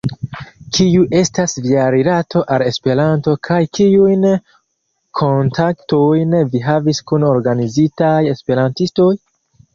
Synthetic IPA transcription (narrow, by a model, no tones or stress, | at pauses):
kʰiuʔe̞stasviaɾiɾatʰo̞ʔale̞spe̞ɾanto̞kʰajkiujn | kʰo̞ntʰaktojnviɦaviskunoɾɡanizitaje̞spe̞ɾantisto̞j